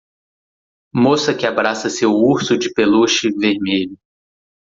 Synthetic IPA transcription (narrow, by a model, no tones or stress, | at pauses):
mosɐkɪabɾasɐsewuɾsʊd͡ʒɪpeluʃɪveɾmeʎʊ